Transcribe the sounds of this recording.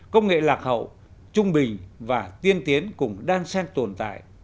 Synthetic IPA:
kə˧wŋ͡mŋḛ˧˨laː˨˩k̚hə̰˧˨w | t͡ɕʊ˧ŋ͡mɓï˨˩ŋ̟vaː˨˩t̪i˧ənt̪i˨˦ənkʊ˨˧˩ŋ͡mɗaː˧ŋsɛ˧nt̪o˨˩nt̪a̰ː˧˨jʔ

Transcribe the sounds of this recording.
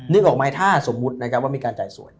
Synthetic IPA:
nɯ˦˥k̚ʔɔː˨k̚maː˨˧˥jt̪ʰaː˥˩so˩˦mːu˦˥t̪̚na˦˥kʰa˦˥p̚waː˥˩miː˧kaː˧nt͡ɕaː˨˩jsṵ˨˩˦j

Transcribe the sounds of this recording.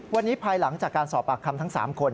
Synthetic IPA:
wa˧nːiː˦˥pʰaː˧jla˩˦ŋt͡ɕaː˨˩kːaː˧nsɔː˨˩p̚ːa˨˩kʰːa˧mt̪ʰa˦˥ŋsa̰ː˩˦mkʰo˧n

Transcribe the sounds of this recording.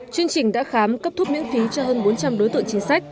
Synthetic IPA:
t͡ɕwi˧əŋt͡ɕï˨˩ŋ̟ɗa̰ː˧˥xaː˨˦mkə˦˥p̚t̪ʰu˦˥p̚ɲḭ˧˥ŋfi˨˦t͡ɕɔ˧ɦəː˧nɓo˨˦nt͡ɕa˧mɗo˨˦jt̪ɨ̰˧˨ŋt͡ɕi˨˦ŋ̟sa˦˥jk̟̚

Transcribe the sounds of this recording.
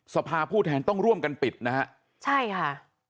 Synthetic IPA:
sa˧pʰaː˧pʰuː˥˩t̪ʰɛː˧nt̪ɔ˥˩ŋɾu˥˩əmka˧npi˨˩t̪̚na˦˥ha˦˥ʔ | t͡ɕʰa˥˩jkʰa˥˩

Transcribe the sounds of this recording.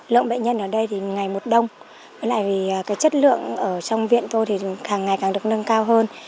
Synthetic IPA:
lɨ̰˧˨əŋɓḛ˧˨nɲə˧nʔəː˧˩ɗə˧jt̪ʰi˨˩ŋa˨˩jmo˨˩t̚ɗə˧wŋ͡m | vəː˨˦jla̰ː˧˨jviː˨˩˨kaː˨˦jt͡ɕə˦˥t̚lɨ̰˧˨əŋʔəː˧˩t͡ɕɔ˧wŋ͡mvḭ˧˨ənt̪o˧jt̪ʰi˨˩kaː˨˩ŋːa˨˩jkaː˨˩ŋɗɨ˨˩ək̚nə˧ŋkaː˧wɦəː˧n

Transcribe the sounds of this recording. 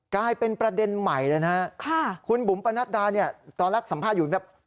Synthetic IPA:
klaː˧jpe˧npɾa˧de˧nma˨˩jlɤː˧jna˦˥kʰa˥˩kʰu˧nbu˩˦mpa˧na˦˥t̪̚daː˧ni˥˩ɐt̪ɔː˧nɾa˦˥k̚sa˩˦mpʰaː˥˩t̪̚uː˨˩˨bɛː˨˩

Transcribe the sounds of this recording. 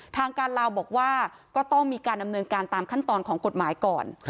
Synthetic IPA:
t̪ʰaː˧ŋkaː˧nlaː˧wbɔː˨˩k̚waː˥˩ | kɔː˥˩t̪ɔ˥˩ŋmiː˧kaː˧nda˧mnɤː˧nkaː˧nt̪aː˧mkʰa˥˩nt̪ɔː˧nkʰɔː˩˦ŋko˨˩t̪̚maː˩˦jkɔː˨˩n

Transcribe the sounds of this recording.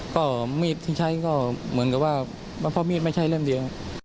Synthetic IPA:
kɔː˥˩miː˧˩t̪̚ʰiː˥˩t͡ɕʰa˦˧˥jkɔː˥˩mɯ˩˦nka˨˩p̚waː˥˩ | ma˧˥npʰɔː˧˥miː˥˩t̪̚ma˥˩jt͡ɕʰa˥˩jlɤ˥˩˨mdi˧ə˧˩

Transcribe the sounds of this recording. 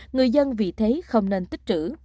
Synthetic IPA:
ŋɨ˨˩əjzə˧nvḭ˨˩t̪ʰe˨˦xə˧wŋ͡mne˧nt̪i˦˥k̚t͡ɕɨ̰˧˥

